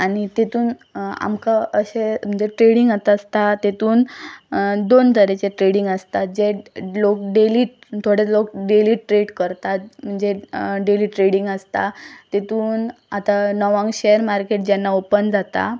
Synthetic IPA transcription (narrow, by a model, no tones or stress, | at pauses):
aɽit̪et̪uːn | a̰mkaəɕem̤əɳd͡zeʈɾeɽiŋɡat̪əst̪at̪et̪uːn | d̪ont̪ʰəɾet͡ɕeʈɾeɽiŋɡəst̪ad͡ʑelokɖeliː | t̪ʰoɽelokɖeliʈɾeɽkəɾt̪am̤əɳd͡ʑeɖeliːʈɾeɽiŋɡəst̪at̪et̪uːnat̪anɔʋãŋɡɕejəɾmaɾkeʈ̚d͡ʑɛnːaopənd͡zat̪a̰